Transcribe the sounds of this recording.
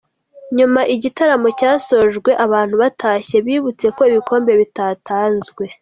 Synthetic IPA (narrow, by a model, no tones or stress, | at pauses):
ɲumaʔiɟitaɾamo̞caːso̞ʒɡwe̞ʔaβaːn̥huβatʰaːçe̞βiːβut͡se̞ko̞iβikʰo̞ːmbe̞βitatʰaːnzɡwe̞